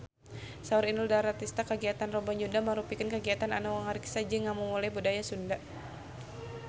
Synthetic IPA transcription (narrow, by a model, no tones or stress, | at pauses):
sauɾinuldaɾat̪ist̪akəɡiat̪anrɔbaɲd͡ʒudaməɾupikənkəɡiat̪ananawaŋaɾiksad͡ʒəŋamumulajbudajasundaʔ